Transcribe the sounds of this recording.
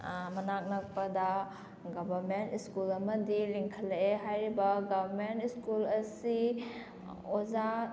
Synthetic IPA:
mɐnak̚nɐk̚pɐda | ɡɐbʱɐɾmentiskulɐmɐdiliŋkʰɐleɦajɾibɐɡabʱɐɾmentiskulɐsi | oza

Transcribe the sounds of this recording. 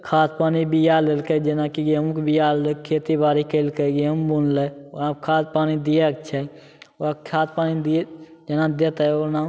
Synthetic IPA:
kʰaːt̪̚paːnibijalelked͡ʒenakiɡemukbijallekʰeːt̪ibaːɾikelkəɡeəmbunleoakʰaːt̪̚paːnid̪ijeəkt͡ʃʰɛ | oakʰaːt̪̚paːnid̪ied͡ʒenãd̪et̪ɛoɾnaː

